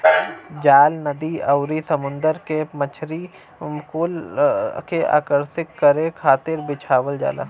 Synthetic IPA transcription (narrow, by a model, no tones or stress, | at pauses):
d͡ʒaːlnɐd̪iɐʊɾisɐmʊ̃nd̪əɾkemət͡ʃʰɾi | kolkeʔa̰ːkəɾsɪkːəɾẽkʰaːt̪ɪɾbɪt͡ʃʰaːʋəld͡ʒa̰ːla̰ː